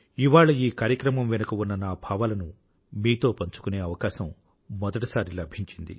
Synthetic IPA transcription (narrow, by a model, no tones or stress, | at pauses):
iʋaːɭɐiːkaːɾjɐkɾɐmɐmʋɛnɐkɐunːɐnaːbʱaːʋalɐnu | miːt̪o̞ːpɐɲt͡ʃu̥kune̞ːɐʋɐkaːʃɐmː | ɔd̪ɐʈɐsaːɾilɐbʱiɲt͡ʃind̪ḭ